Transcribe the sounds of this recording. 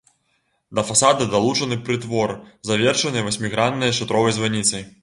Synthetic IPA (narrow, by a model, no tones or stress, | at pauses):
d̪ɐfasad̪ɨd̪alˠut͡ʂɐnɨpɾɨt̪vɔrzavʲɛrʂɐnɨjɐvɐsʲmʲiɣɾannɐjɐʂɨt̪ɾɔvɐjzvanʲit̪sɐj